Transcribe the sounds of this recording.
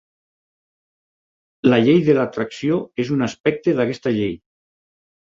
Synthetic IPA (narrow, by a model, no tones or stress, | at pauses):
laʎejðelat̪ɾaksioezunaspɛk̚t̪eðakɛst̪aʎej